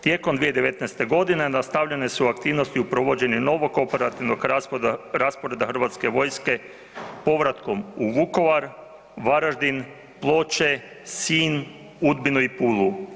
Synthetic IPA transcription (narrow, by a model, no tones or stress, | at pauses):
t̪je̞komd̪ʋijed̪e̞ʋe̞t̪nɛjst̪e̞ɡo̞d̪ine̞nast̪aʋʎe̞ne̞suuak̚t̪iːʋno̞st̪iupɾoʋo̞d͡ʑe̞nino̞ʋo̞ko̞pe̞ɾat̪iʋno̞ɡ | ɾaspo̞ɾe̞d̪axr̩ʋat̪ske̞ʋo̞jske̞ | po̞ʋɾat̪ko̞muʋuko̞ʋaɾ | ʋaɾaʒd̪in | plˠo̞t͡ʃe | siːn | ud̪binuipuːlˠu